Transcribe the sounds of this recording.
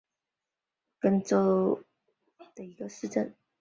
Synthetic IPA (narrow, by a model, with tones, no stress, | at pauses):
kə˥nt͡so˥ | d̪ə˨˩i˧˥ɡə˧ʂɻ̩˥˧ʈ͡ʂə˥˩n